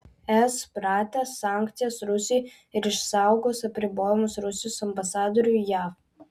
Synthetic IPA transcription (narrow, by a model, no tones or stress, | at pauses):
ɛspɾɑːt̪ʲɛːsːɑːˑŋʲkt̪sʲɪjosɾʊsʲɪj | ɪɾɪʃsɑˑʊɡoːsɐpʲɾʲɪboːjɛmʊsɾʊsʲɪjosɐmbɐsɑːd̪oːɾʲujæːf